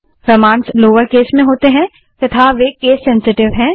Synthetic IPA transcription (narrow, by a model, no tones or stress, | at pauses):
pɾɐmãːnsloːʋəɾkeːsmẽɦoːt̪eɦɛ̃ | t̪ɐt̪ʰaʋekeːsːɛ̃nsɪʈɪʋɦɛ̃ː